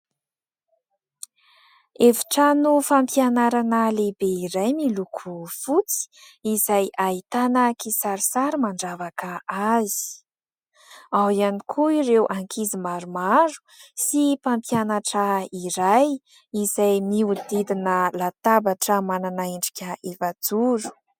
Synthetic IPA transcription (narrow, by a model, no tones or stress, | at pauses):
evi̥ʈ͡ʂanufampjanaɾanəlebeiɾajmilukʰufut͡si̥izajait̪anakisaɾisaɾimaɳɖ͡ʐavakaʔazi̥i̥ | awianikʰuirewʔaŋkʰizimaɾumaɾu̥sipampjanaʈ͡ʂaiɾaj | izajmiud̪id̪inəlat̪abaʈ͡ʂəmananaiɳɖ͡ʐi̥kʲʰaefad͡zuɾu̥